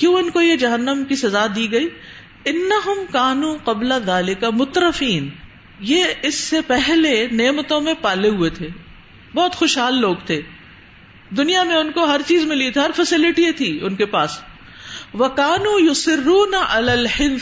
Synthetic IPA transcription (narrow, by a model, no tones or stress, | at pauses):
kjõːʊnkojed͡ʒɐɦənːəmkisɐzaːd̪iːɡɐiː | ɪnːɐɦʊmkaːnuːqɐblaðaːlɪkamʊt̪ɾɐfiːn | jeɪsːepɛɦleneːmət̪õmẽpaːleɦuet̪ʰeː | bɔːt̪xoʃɦaːlːoːɡt̪ʰeː | d̪ʊnijamẽʊnkoɦɐɾt͡ʃiːzmɪlit̪ʰɦɐɾfɛsɪlɪʈiet̪ʰiːʊnkepaːs | ʋɐkaːnuːjʊsɪrːuːnʔɐlaːlhɪn